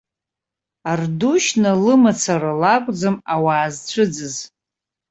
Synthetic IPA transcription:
arduʃnɨlɨmat͡sʰaɾalakʷʼd͡zɨmawaːzt͡ɕʷʰɨd͡zɨz

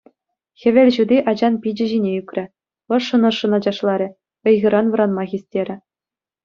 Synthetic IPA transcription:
xʲɘ̆ʋʲɘ̆lʲʑud̪ʲiʔɑd͡ʑɑnpʲid͡ʑɘ̆ʑinʲeykʲrʲɘ̆ | ɤ̆ʂːɤ̆nɤ̆ʂːɤ̆nɑd͡ʑɑʂlˠɑɾʲɘ̆ | ɤ̆jɣɯ̆ɾɑnʋɤ̆ɾɑnmɑɣʲisʲtʲeɾʲɘ̆

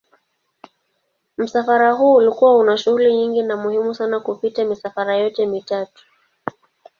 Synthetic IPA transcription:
m̩safaɾaɦuːlikuwaunaʃuhuliɲiŋɡinamuhimusanakupitamisafaɾajɔtɛmitatu̥

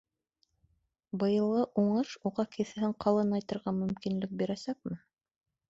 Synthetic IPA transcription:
bɤ̆jɤ̆lˠɤʔuɴɤʃuʁɑkɘ̆θɘ̆ɦɘɴqɑlˠɤnɑjt̪ɤ̆ɾʁɑmɵ̆mkinlɘk̚biɾæsæk̚mɘ

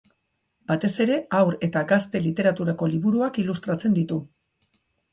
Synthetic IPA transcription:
bat̪e̞se̞ɾe̞awɾe̞t̪aɡast̪e̞lit̪e̞ɾat̪uɾako̞liβuɾuakilust̪ɾat͡se̞nd̪it̪u

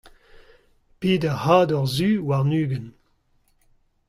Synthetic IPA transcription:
piːdɛʁhaːdɔʁzyːwaʁnyːɡən

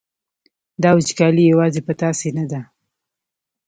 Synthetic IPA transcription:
d̪ɑwɪt͡ʃkɑlijawɑzepət̪ɑsenad̪a

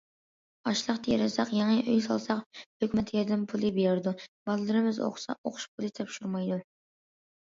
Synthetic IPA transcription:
ɑʃlˠəqt̪ʰɑjɛɾɛsɑqjɑŋɨʔyjsɑ̰lˠsɑqhøkʲmɛt̪ʰjɛd̪ɪmpʰulˠɨbijɛɾd̪ub̥ɑllˠɨɾɨmɪzo̰χsɑ̰o̰qʰʊ̥ʃpʰulˠɨt̪ʰɛpʃuɾmɑjd̪u

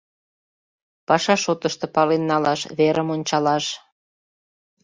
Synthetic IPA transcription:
pɑʃɑʃot̪əʃt̪ɤ̆pɑlenːɑlɑʃβeɾʔəmonʲt͡ɕɑlɑʃ

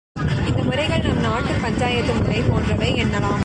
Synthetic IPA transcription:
ɪnd̪ɐmɯɾɐɪɣɐɭnɐmnaːʈːɯpɐɲd͡ʒaːjɐt̪ːɯmɯɾɐɪpoːndrɐʋɐɪɛnːɐlaːm

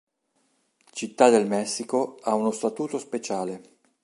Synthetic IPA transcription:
t͡ʃit̪ːad̪elmɛsːikoaunost̪at̪uːt̪ospet͡ʃaːle

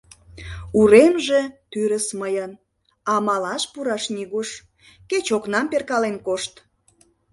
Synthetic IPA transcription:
uɾemʒet̪yɾəsməjən | ɑmɑlɑʃpuɾɑʃniɣuʃ | ket͡ɕoknɑmperkɑlenkoʃt̪

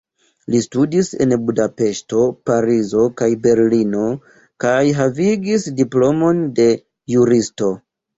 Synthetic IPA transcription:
listudise̞̰nbudape̞ʃto̞paɾizo̞kajbe̞ɾlino̞ | kajɦaviɡisdiplo̞mo̞nde̞ | juɾisto̞

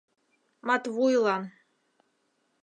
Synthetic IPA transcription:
matʰvujlˠa

